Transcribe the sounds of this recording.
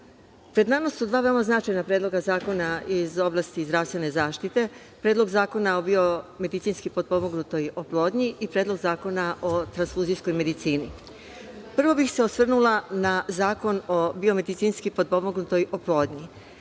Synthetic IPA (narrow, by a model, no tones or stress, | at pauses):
pɾe̞d̪namasud̪ʋaːʋe̞omaznat͡ʃajnapɾed̪lo̞ɡazaːko̞naizo̞blˠaːst̪izd̪ɾaːst̪ʋe̞ne̞zaːʃt̪it̪e̞ | pɾeːd̪lˠo̞ɡzaːko̞naobio̞me̞d̪it̪siːnskipo̞d̪̚po̞moɡnut̪o̞joplˠo̞ːd̪ɲiʔipɾeːd̪lˠo̞ɡzaːko̞naʔot̪ɾansfuːzijsko̞jme̞d̪it̪siːni | pr̩ʋo̞bixse̞o̞sʋr̩nulanazaːko̞no̞bio̞me̞d̪it̪siːnskipo̞d̪̚po̞moɡnut̪o̞joplˠo̞ːd̪ɲi